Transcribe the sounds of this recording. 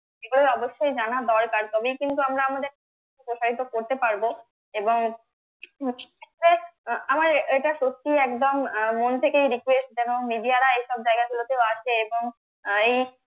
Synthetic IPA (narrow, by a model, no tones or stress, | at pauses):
d͡ʒeɡuloɔboʃːojd͡ʑanad̪ɔɾkaɾt̪ɔbejkint̪uamɾaamad̪eɾka | kepɾoʃaɾit̪okoɾt̪epaɾbo | eboŋ | ɛɾeamaɾeʈaʃosiɛkd̪omːont̪ʰekejɾikwesʈ̚d͡ʑɛmoŋmiɖijaɾaejʃɔb̚d͡ʑaeɡakulot̪eoaʃʰeeboŋ | ej